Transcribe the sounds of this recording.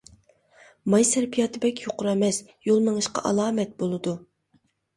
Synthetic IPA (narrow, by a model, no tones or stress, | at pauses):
mɑjsæɾpʰijɑːt̪ʰɨbɛkʲʰjoqʊɾɛmɛs | jolˠmɨŋɨʃqɑ̰ʔɑlˠɑːmɛt̪̚bolˠɨd̪u